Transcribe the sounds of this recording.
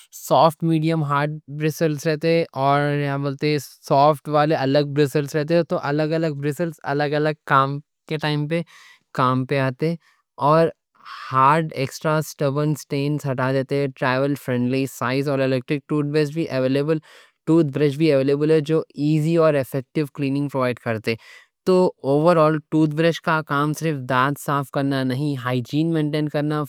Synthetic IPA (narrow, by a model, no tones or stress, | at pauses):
sɔːfʈmiːɖijəmɦaːɾɖ̚bɾɪsəlsɾɛɦt̪eɦɛ̃ʔɔːɾjɐɦãboːlt̪eɦɛ̃sɔːfʈʋaːleɐləɡ̚bɾɪsəlsɾɛɦt̪̬eɦɛt̪oʔɐləɡɐləɡ̚bɾɪsəlsɐ̰ləɡɐləɡ̚kaːm | keʈaːɪmpe | kaːmpeaːt̪eɦɛ̃ | ɔːɾ | haːɾɖeːksʈɾasʈɐbənsʈeːnsɦɐʈaːd̪eːt̪eɦɛʈɾɛːʋəlfɾɛ̃ɳɖlisaːɪzɔːlelɛːk̚ʈɾɪk̚ʈuːt̪̚bɾesbʱiʔɐʋeːleːbəl | ʈuːt̪̚bɾɪt͡ʃbʱiɐʋeːleːbəlɦɛd͡ʒoːiːziɔːɾɪfɛk̚ʈɪʋkliːnɪ̃ŋɡpɾoʋaːɪɖkɐɾt̪eɦɛ | t̪oːoːʋəɾɔːlʈuːt̪bɾɪʃkakaːmsɪɾɪɾfd̪aːt̪saːfkɐɾnanɐɦĩɦaːɪd͡ʒiːnmẽːɳʈẽːnkɐɾna